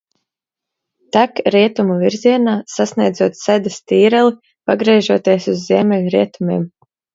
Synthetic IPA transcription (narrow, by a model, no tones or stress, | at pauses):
t̪akɾiɛt̪umuviɾzʲiɛnaːsasnʲiɛjd̪zuɔt̪sæd̪ast̪iːɾɛlˠi | paɡɾiʒuɔt̪iɛsuzːiɛmʲɛlʲɾiɛt̪umʲiːm